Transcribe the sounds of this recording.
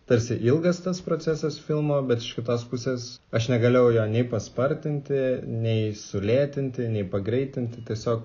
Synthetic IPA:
t̪ɐɾʲsʲɪʔɪlˠɡɐst̪ɐspɾoːsʲæsɐsfʲɪlˠmoːbʲɛt̪ɪʃkʲɪt̪oːspʊsʲeːsɐʃnʲɛɡɐlʲɛʊjoːnʲɛɪpɐspɐɾʲt̪ʲɪnʲt̪ʲɪnʲɛɪsʊlʲeːt̪ʲɪnʲt̪ʲɪnʲɛɪpɐɡɾʲɛɪt̪ʲɪnʲt̪ʲɪt̪ʲiɛsʲoːk

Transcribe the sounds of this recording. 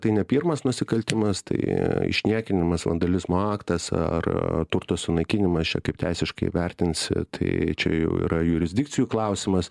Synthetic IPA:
t̪ɐɪnʲɛpʲirmɐsnʊsʲɪkɐlʲt̪ʲɪmɐst̪ɐ̰ɪɪ̰ʃʲnʲiɛkʲɪnʲɪmɐsʋɐ̰nd̪ɐlʲɪzmoːɑːkt̪ɐsɐ̰rt̪ʊrt̪ɐssʊnɐɪkʲɪnʲɪmɐst͡ʃʲɛ̰kɐɪp̚t̪ʲɛɪsʲɪʃkɐɪʋʲɛrʲt̪ʲɪnsʲt̪ʰɐɪt͡ʃʲɛjɛʊḭːɾɐjʊɾʲɪzʲdʲɪkt͡s̪ʲɪjuːklˠɐʊsʲɪmɐs

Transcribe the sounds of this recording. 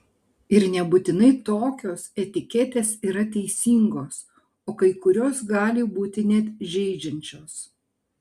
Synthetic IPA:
ɪɾnʲɛbʊt̪ʲɪnɐɪt̪oːkʲoːsɛt̪ʲɪkʲɛt̪ʲeːsiːɾɐt̪ʲɛɪsʲiːŋɡoːs | oːkɐɪkʊɾʲoːsɡɑːlʲɪbuːt̪ʲɪnʲɛt̪ʒʲɛɪd͡ʒʲɛnʲt͡ʃʲoːs

